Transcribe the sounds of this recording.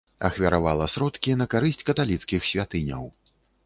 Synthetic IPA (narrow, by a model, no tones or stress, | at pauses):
ɐxvʲɐɾavalˠɐsɾɔt̪kʲinɐkaɾɨsʲt͡sʲkɐt̪alʲit̪skʲixsʲvʲat̪ɨnʲɐ̰w